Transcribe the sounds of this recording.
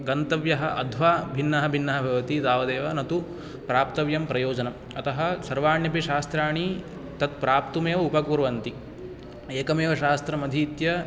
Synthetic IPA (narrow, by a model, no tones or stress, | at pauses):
ɡɐnt̪ɐʋjɐɦɐ̆ʔɐd̪ʱʋaːbʱinːɐɦɐ̆bʱinːɐɦɐbʱɐʋɐt̪id̪aːʋɐd̪eːʋɐnɐt̪u | pɾaːpt̪ɐʋjɐmpɾɐjoːd͡ʒɐnɐm | ɐt̪ɐɦɐ̆sɐɾʋaːɳjɐpiʃaːst̪ɾaːɳi | t̪ɐt̪̚pɾaːpt̪umeːʋɐupɐkuːɾɐʋɐnt̪i | eːkɐmeːʋɐʃaːst̪ɾɐmɐd̪ʱiːt̪jɐ